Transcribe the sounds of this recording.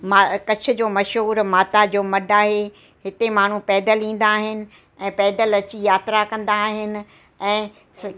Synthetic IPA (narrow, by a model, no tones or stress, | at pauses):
makɐt͡ɕʰʊ̆d͡ʑoːmɐʃɦuːɾmaːt̪ad͡ʑoːmɐɖaːɦe | ɦɪt̪emaːɳ̤ũpɛːd̪əlĩːn̆d̪aːɦɪnɪ̆ | ɛ̃ːpɛːd̪əlɐt͡ɕijaːt̪ɾakɐ̃nd̪aːɦɪnɪ̆ | ɛ̃ː | s